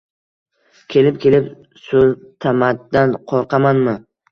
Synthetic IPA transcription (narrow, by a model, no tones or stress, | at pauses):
kʲʰe̞lɪp̚kʲʰe̞lɪp | sɵlt̪ʰamat̪̚d̪anqʰɒɾqʰɑmanmɪ